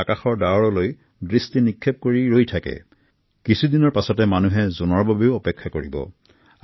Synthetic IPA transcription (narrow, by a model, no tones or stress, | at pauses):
akaxɔɹdawɔɹɔloj | dɹistinikʰːep̚koɹiɹojtʰakɛ̰ | kisʰudinɔɹpasɔtɛmanuɦɛzonɔɹbabeʊɔpɛkʰːakoɹḭbɔ̰